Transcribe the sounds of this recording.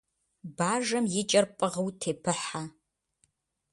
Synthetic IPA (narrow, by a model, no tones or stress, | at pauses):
baːʒɐmjɪt͡ʃʼɐrpʼɨʁɐwtʰeːpʰɨħa